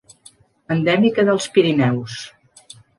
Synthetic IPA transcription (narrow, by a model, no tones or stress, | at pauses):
ənd̪ɛmikəðəlˠspiɾinɛws